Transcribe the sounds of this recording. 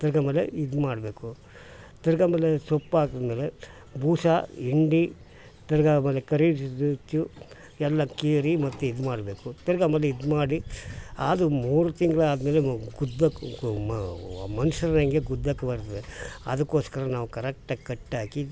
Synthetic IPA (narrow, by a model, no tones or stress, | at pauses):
t̪iɾɡameːlḛid̪maːɽɐbeːku | t̪iɾɐɡameːlesopːaːɡ̪ɐd̪meːle | bʱuːsaiɳɖi | t̪iɾɐɡaːmeːlekɐɾisd̪ut͡ʃːu | ɛlːɐkeːɾimɐt̪ːuid̪maːɽɐbe̞ːkut̪iɾɐɡameːleid̪maːɽiaːd̪umuːɾut̪iŋɡɐɭɐaːd̪ɐmeːleɡud̪ːɐk | mɐnuʂɐɾɐnɐŋɡeɡud̪ːakɐbɐɾt̪ɐʋeɐ̰d̪ɐkːo̞ːskɐɾɐnaːʋukɐɾek̚ʈːkɐʈːaːki